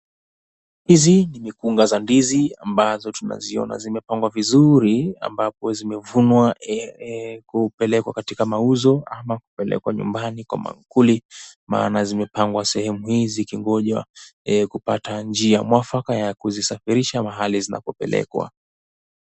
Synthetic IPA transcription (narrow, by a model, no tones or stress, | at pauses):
hizinimikuŋɡazandiziambazɔtuna̰ziɔ̰na̰zimɛpaŋɡwavizuɾia̰mbapɔzimɛvunwa | kupɛlɛkwakatikamauzɔamakupɛlɛ̰kwaɲṵmbanikwa̰ma̰ŋkulima̰ːnazimɛpaŋɡwasɛhɛmuhizikiŋɡɔʄwa̰ɛkupatand͡ʒiamwafakajakuzisafiɾiʃamaɦalizina̰pɔpɛ̰lɛ̰kwa̰